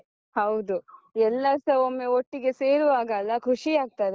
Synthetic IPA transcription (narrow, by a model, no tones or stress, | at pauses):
hɐwd̪uɛlːɐsɐomːeoʈːiɡe̞se̞ːɾuʋaːɡɐːlːɐkʰuʂiaːɡ̚t̪aːd̪e